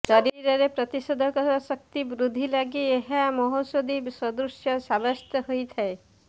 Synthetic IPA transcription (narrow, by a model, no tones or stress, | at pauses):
saɾiɾɔɾepɾɔt̪isɔd̪ʱɔkɔsɔk̚t̪ibɾud̪ʱilaɡieɦamɔɦosod̪ibsɔd̪usjɔsabɔst̪ɔɦojt̪ʰae